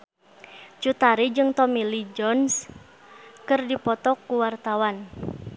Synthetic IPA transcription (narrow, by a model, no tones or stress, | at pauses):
t͡ʃut̪aɾid͡ʒɨŋt̪ɔmilid͡ʒɔns | kɨrdipɔt̪ɔkːuwart̪awan